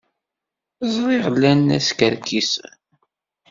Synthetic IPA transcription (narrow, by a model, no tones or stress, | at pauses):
zˤɾˤiʁlːænæ̰skəɾkis